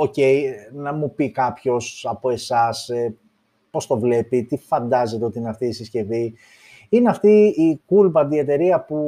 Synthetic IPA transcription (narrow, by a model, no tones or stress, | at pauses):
o̞ce̞jnɐmupikɐpço̞sɐpo̞e̞sɐse | po̞st̪o̞vle̞pit̪ifɐnd̪ɐze̞t̪e̞ot̪iineɐft̪iisisce̞vi | ineɐft̪iikulpɐd̪ie̞t̪e̞ɾiɐpu